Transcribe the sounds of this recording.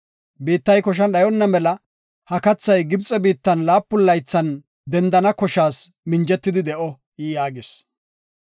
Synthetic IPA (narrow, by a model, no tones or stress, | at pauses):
biːt̪ːɐjkɔʃ̬ɐnɗɐjɔnːɐmɛlɐ | hɐkɐt͡sːɐjɡɪbt͡sʼːɛbiːt̪ːɐnlaːpːʊlːɐjt͡sːɐn | d̪ɛnd̪ɐnɐkɔʃaːs | mɪnd͡ʒɛt̪ːɪd̪ɪd̪ɛʔɔ | jijaːɡɪs